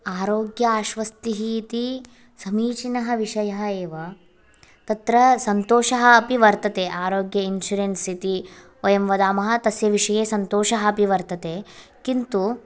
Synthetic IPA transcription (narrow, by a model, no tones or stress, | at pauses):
aːɾoːɡjɐaːʃʋɐst̪iɦiːt̪i | sɐmiːt͡ʃinɐɦɐʋiʂɐjɐɦɐeːʋɐ | t̪ɐt̪ɾɐsɐnt̪oːʃɐɦɐɐpiʋɐɾt̪ɐt̪eːʔaːɾoːɡjɐinʃuɾensit̪i | oːjɐmʋɐd̪aːmɐɦɐ̆t̪ɐsjɐʋiʂɐjeːsɐnt̪oːʃɐɦɐɐpiʋɐɾt̪ɐt̪eːkint̪u